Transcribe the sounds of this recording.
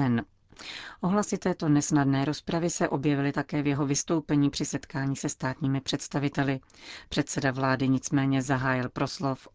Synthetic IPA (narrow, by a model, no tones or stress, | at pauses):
ɛn | ʔo̞ɦlasɪt̪ɛːt̪o̞nɛsnadnɛːɾo̞spɾavɪsɛʔo̞bjɛvɪlɪt̪akɛːvjɛɦo̞vɪst̪o̞wpɛɲiːpr̝̥ɪsɛt̪kaːɲiːsɛst̪aːt̪ɲiːmɪpr̝̥ɛt̪st̪avɪt̪ɛlɪpr̥ɛt̪sɛdavlaːdɪɲɪt͡smɛːɲɛzaɦaːjɪlpɾo̞slo̞f